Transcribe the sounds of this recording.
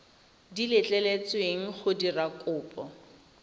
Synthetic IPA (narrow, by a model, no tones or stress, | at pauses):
dilɪt͡ɬʼɛlet͡sweŋ̩χʊdirakʼʊːpʼɔ